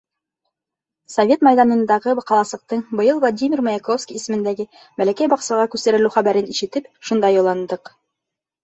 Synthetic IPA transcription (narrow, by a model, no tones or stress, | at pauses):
sɐvʲe̞t̪mɑjðɑnɤ̆nd̪ɑʁɤbqɑlˠɑsˠɤ̆q̚t̪ɤɴbɤ̆jɤlˠvlˠadʲimʲirmojɑkofskʲijisɘ̆mɘ̆nd̪æɡɘ | bælækæjbɑqsɑʁɑkʉst̪æɾɘ̆lʉwχæβæɾɘniʃɘ̆t̪ɘpʃund̪ɑjolˠɑnd̪ɤq